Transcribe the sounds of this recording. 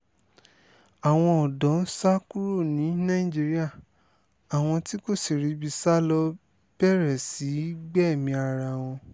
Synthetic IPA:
a˨w̃ɔ̃˧ɔ˨dɔ̃˨˦n̩˦sa˦ku˦ɾo˦˨nĩ˨˦nã˦ĩ˦˨d͡ʒi˧˦ɾi˦a˦˨ | a˨w̃ɔ̃˧ti˦ko˦˨si˨ɾi˨˦bi˧sa˦lɔ˧ | b̥ɛ˦˨ɾɛ˨si˨˦ɡ͡bɛ˦˨mĩ˧a˧ɾa˧˨w̃ɔ̃˧

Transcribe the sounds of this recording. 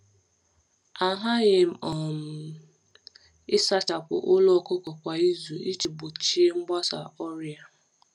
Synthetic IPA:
a˨ɦa˦ɣɪ˨m̩˦ɔ˨m̩˨ | ɪ˦sa˦t͡ʃa˨kʷʊ̰˨ʔʊ˦lɔ˦˨kʊ˦kɔ˨kʷa˨i˦zu˨i˦t͡ʃi˨bo˨t͡ʃi˦e˦ŋ͡m̩˦ɡ͡ba˦sa̰˨ɔ˦ɾja˦˨

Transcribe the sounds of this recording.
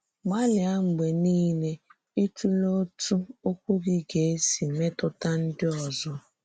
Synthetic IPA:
ɡ͡ba˦lɪ˨a˦m̩˨ɡ͡be˨niː˦le˦ | i˦tu˦lo˦tu˦o˦kʷu˦ɡi˦ɡe˨e˦si˨me˦tʊ˦ta˦n̩˦dɪ˦ɔ˨zɔ˦

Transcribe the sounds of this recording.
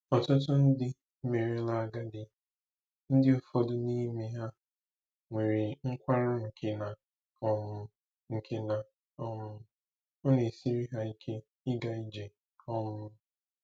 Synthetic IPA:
ɔ˨tʊ˦t̬ʊ˦n̩˦dɪ˦ | me˨ɾi˦la˨a˨ɡa˦dɪ˨ | n̩˦dɪ˦ʊ˦fɔ˦dʊ˦ni˦me˦ɦa˦ | ŋʷe˨ɾe˨ŋ̩˦kʷa˦ɾʊ˦ŋ̩˨kʰe˦na˨ | ɔ˦mʊ˦ | ŋ̩˨kʰe˦na˨ | ɔ˦mʊ˦ | o˦ne˨si˦ɾi˦ɦa˦i˦kʰe˦ | ɪ˦ɡa˨i˦d͡ʒe˨ | ɔ˦mʊ˦

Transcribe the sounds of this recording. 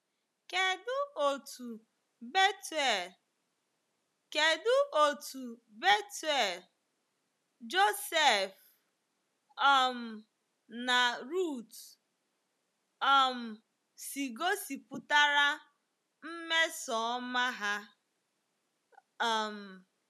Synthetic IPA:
ke˨dʊ˦o˨tu˨ | be˦tɛ˨l | ke˨dʊ˦ʔo˨tu˨ | be˦tɛ˨l | d͡ʒo˦se˦˨f | ɔ˦˨m̩˨ | na˨ɾu˦˨t | ɔ˦˨m̩˨ | si˨ɡo˦si˨pʊ˨ta˦ɾa˦ | m̩˦me˦sɔ˨˦ma˦ɦa˦˨ | m̩˨

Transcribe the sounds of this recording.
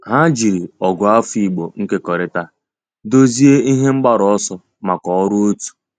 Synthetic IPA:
ɦa˦d͡ʒi˨ɾi˨ɔ˨ɡʊ˨a˦fi˨ɡ͡bo˨ŋ̩˦ke˦kɔ˨ɾɪ˦ta˦ | do˦zi˦e˦i˦ɦe˦ŋ͡m̩˦ɡ͡ba˦ɾɔ˨ɔ˦sɔ˦ | ma˨kɔ˨˦ɾʊ˦o˦tu̥˨

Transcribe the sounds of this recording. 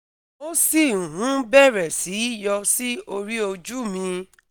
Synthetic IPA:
o˦si˦˨ũ˨ɦũ˨˦bɛ˦˨ɾɛ˨si˨˦jɔ˧si˦o˧ɾi˦o˧d͡ʒu˦mĩ˧

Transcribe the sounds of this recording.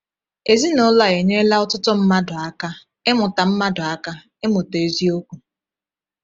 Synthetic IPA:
e˨zi˦nɔ˦la˨e˨ɲe˦la˦ʊ˦tʊ˦tɔ˦m̩˦ma˦dʊ˨a˦ka˦ | e˦mʊ˨ta˨m̩˦ma˦dʊ˨a˦ka˦ | e˦mʊ˨te˨zi˦o˦kʷu˨

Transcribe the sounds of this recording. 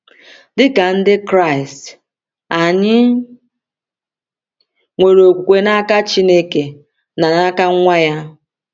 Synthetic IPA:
dɪ˦ka˨n̩˦dɪ˦kɾa˦˨ɪ˨st | a˨ɲɪ˦ | ŋʷe˨ɾo˨kʷu˨kʷe˦na˦ka˦t͡ʃi˦ne˦ke˨ | na˨na˦ka˦a˦ja˦

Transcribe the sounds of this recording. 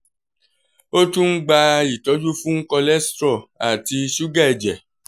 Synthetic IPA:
o˦tũ˦n̩˦ɡ͡ba˧i˨tɔ˨˦d͡ʒu˦fũ˦ŋ̩˦kɔ˧lɛ˦stɾɔ˦˨a˨ti˧ʃu˦ɡa˦ɛ˨d͡ʒɛ˨

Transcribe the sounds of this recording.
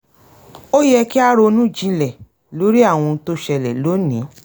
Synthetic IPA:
o˦jɛ˧ki˦a˦ɾo˧nũ˦˨d͡ʒĩ˨˧lɛ˨ | lo˨˦ɾi˦a˦˨w̃ɔ̃˧to˦ʃɛ˧lɛ̰˨lo˨˦nĩ˨˦

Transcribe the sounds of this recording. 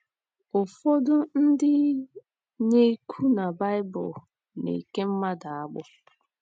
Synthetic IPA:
o˨fo˦dʊ˦n̩˦dɪ˦ | ɲe˦kʰu˦na˨ba˦jbʊ˨l | nḛ˨i˨ke˦m̩˦ma˦da˨a˦ɡ͡bʊ̰˦

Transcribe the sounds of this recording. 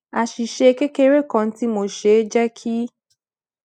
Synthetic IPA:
a˨ʃi˨ʃe˧ke˦ke˦ɾe˦˨kɔ̃˧n̩˦ti˦mo˦˨ʃe˨˦d͡ʒɛ˦kʰi˦

